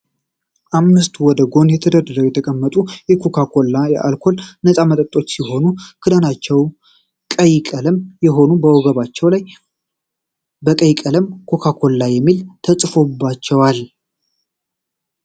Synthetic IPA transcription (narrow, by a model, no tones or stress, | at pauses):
ʔamːɨst̪wɔd̪əɡo̞njɛt̪ʰəd̪əd̪əɾəjɛt̪ʰəkʼəmːət̪ʼujɛkʰokʰakʰo̞lːajɛʔa̰lkʰo̞lnəsʼamət̪ʼət̪ʼːo̞t͡ʃːsiɦo̞nukʰɨd̪ənat͡ʃːɛw | kʼəjkʼələmjɛɦo̞nubəwɔɡəβat͡ʃːɛwlaj | bəkʼəjkʼələmkʰo̞kʰakʰo̞lːajːɛmːilt̪ʰəsʼfo̞bːat͡ʃːɛwal